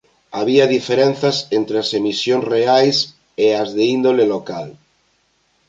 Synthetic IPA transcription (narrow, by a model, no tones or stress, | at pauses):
aβ̞iaðifeɾen̟θasent̪ɾeasemisjoŋzreajs | eazðeind̪olelokal